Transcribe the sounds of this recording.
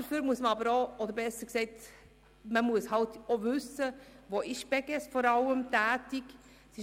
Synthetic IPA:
əfyːɾmuəsməɑbəɾoʔɔd̪əɾbɛsəksɛɪt | məmuəshɑlt̪oʋʉsəʋoʔɪʃb̥ɛɡɛsfɔɾɑləmtæːtik | sɪ

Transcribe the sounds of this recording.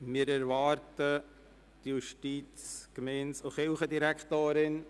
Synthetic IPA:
mɪəɾɛɾvɑːɾtə | tjuʃtiːt͡skmɛnsʊχɪlχədiɾæktoːɾɪn

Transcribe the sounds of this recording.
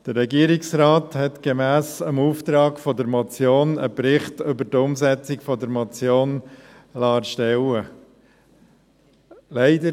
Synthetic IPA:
d̥əɾːɛɡiəɾɪksɾɑːthɛtɡ̥emæːsəmuːft̪ɾɑːɡfɔdəɾmɔt͡sjoːnəpɾɪχtʏbəɾtʊmsɛt͡sɪkfɔdəɾmɔt͡sjoːn | lɑːɾʃtɛlwə | lɛɪdə

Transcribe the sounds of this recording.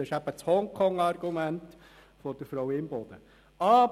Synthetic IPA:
ɛɪʃæb̥ət͡shɔŋkʰɔŋɑrɡ̥umænt̪ | fɔd̥əɾfɾɔwɪmbɔd̪ə | ɑː

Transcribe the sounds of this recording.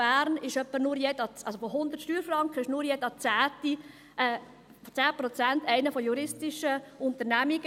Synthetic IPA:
b̥æːɾnɪʃœpːənʊɾjɛdɑt͡sʔɑsofoɦʊnd̪əɾtʃtyːɾfrɾɑŋkχəɪʃnʊːɾjɛdɑt͡sæːti | t͡sæːpɾɔt͡sæntæɪnəfɔjuɾɪstɪʃəʊnt̪əɾnæmiɡə

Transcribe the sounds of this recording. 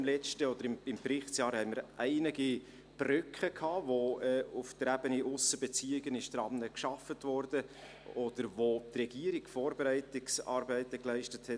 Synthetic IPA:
mlɛt͡ʃtəɔd̥̪əɾɪmɪmprɪχsjɑːɾhɛməɾʔæɪniɡi | b̥rʏkχəkʰɑːvoɛʊftəɾæbəniʔʊsəbɛt͡siːɪɡənɪʃtɾɑmnəkʃɑfətvɔɾd̥ə | ɔd̥əɾvotrɛɡ̥iəɾikfɔːɾbeɾæɪtɪksɑ̰ːɾbæɪtəklæɪʃtəthɛt

